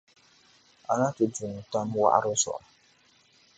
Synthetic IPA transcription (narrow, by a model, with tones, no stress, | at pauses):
a̰˨na˦tʊ˨du˨ŋ˨ta˦m˦wa̰˦ʔa̰˦ɾʊ˦sɔ̰˨ʔa˨